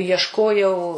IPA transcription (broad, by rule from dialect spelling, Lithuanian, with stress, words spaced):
iɛʃˈkoːjɛʊ